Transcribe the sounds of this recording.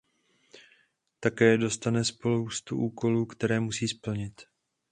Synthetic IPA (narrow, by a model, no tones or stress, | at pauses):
t̪akɛːdo̞st̪anɛspo̞luwst̪uʔuːko̞luːkt̪ɛɾɛːmusiːspl̩ɲɪt̪